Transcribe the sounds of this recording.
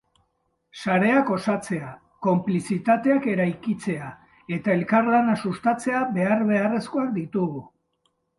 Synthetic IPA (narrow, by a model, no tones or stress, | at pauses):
saɾe̞ako̞sat͡se̞a | ko̞mplisit̪at̪e̞ake̞ɾajkit͡se̞a | e̞t̪ae̞lkarlanasust̪at͡se̞abe̞aɾβe̞are̞sko̞ak̚d̪it̪uɣu